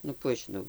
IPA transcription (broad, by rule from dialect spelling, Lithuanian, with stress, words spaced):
nʊ ˈkuː ɐʃ ʒʲɪˈnɐʊ